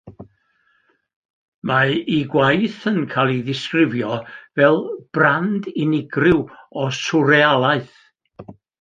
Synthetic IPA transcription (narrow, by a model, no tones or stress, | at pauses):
maiɡwajθənkʰalˠiðɪskrɪvjɔvɛlˠb̥randɪnɪɡrɪwɔsʊɾɛalˠaɨθ